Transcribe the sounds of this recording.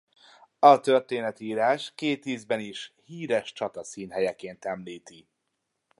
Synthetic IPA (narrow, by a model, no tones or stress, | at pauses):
ɒt̪ørt̪eːnɛt̪iiːɾaːʃkeːt̪iːzbɛniʃhiːɾɛʃt͡ʃɒt̪ɒsiːnɦɛjɛkeːnt̪ɛmliːt̪i